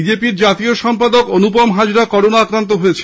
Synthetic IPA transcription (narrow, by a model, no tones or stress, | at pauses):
id͡ʑepiɾd͡ʑat̪ioʃɔmpad̪okonupomɦad͡ʑɾakɔɾonaakɾant̪̬oɦojet͡ɕʰ